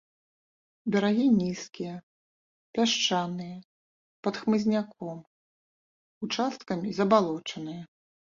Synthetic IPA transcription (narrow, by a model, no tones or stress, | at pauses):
bʲɐɾaɣʲinʲiskʲijɛ | pʲaʂt͡ʂanɨjɐ | pɐt̪xmɨzʲnʲakʰɔm | ut͡ʂast̪kɐmʲizɐbalˠɔt͡ʂɐnɨjɐ